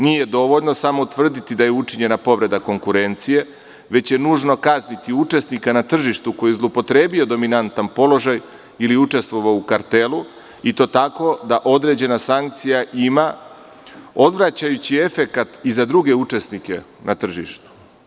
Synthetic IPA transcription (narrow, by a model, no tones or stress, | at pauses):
nije̞d̪o̞ʋo̞ʎno̞samo̞t̪ʋr̩d̪it̪id̪ajeut͡ʂiɲe̞napo̞ʋɾe̞d̪ako̞ŋkuɾe̞nt̪sije̞ | ʋe̞t͡ɕje̞nuːʒno̞kaznit̪iut͡ʂe̞snikanat̪r̩ʒiʃt̪uko̞jizlˠopo̞t̪ɾe̞ːbijo̞d̪o̞minant̪anpo̞lo̞ʒaj | iliut͡ʂe̞st̪ʋo̞ʋaukaɾt̪e̞lu | it̪o̞t̪ako̞d̪aʔo̞d̪ɾe̞d͡ʑe̞nasaŋk̚t̪sijaʔima | o̞d̪ʋɾat͡ɕajut͡ɕie̞fe̞kat̪izad̪ɾuɡe̞ut͡ʂe̞snike̞ | nʔat̪r̩ʒḭʃt̪u̥